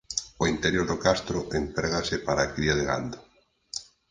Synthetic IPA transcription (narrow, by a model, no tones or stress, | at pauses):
oint̪eɾjoɾðokast̪ɾoʔent̪ɾeɣasɪpaɾaːkɾiaðeɣa̰nd̪o